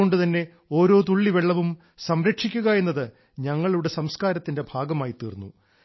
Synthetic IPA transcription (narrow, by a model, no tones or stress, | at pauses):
o̞ɳɖɨt̪ɐnːe̞ | o̞ːɾo̞ːt̪uɭːiʋeɭːɐʋum | sɐmɾɐkʂikʲːuɣɐje̞nːɐðɨ | ɲɐŋːɐɭuɽe̞sɐmskaːɾɐt̪ːinde̞bʱaːɡɐmaːjit̪ːḭːrnːṵ